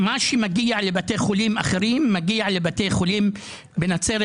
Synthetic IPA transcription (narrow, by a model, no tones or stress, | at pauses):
maʃimaɡiaʕlebat̪ejxoliːmʔaχeɾiːmːaɡiaʕlebat̪ejxolim | benat͡seɾ